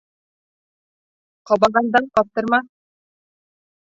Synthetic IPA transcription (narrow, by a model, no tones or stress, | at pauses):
qɒbɑʁɑnd̪ɑɴqɑt̪ɤ̆ɾmɑ